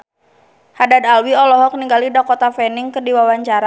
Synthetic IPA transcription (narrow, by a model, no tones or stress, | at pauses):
hadad̪alwiɔlɔɦɔk̚niŋɡalidakɔt̪afɛniŋkɨrdiwawaɲt͡ʃaɾa